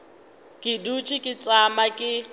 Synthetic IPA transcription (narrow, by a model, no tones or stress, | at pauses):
kʼɪdut͡ʃʼɪkʼɪt͡sʼamakʼɪ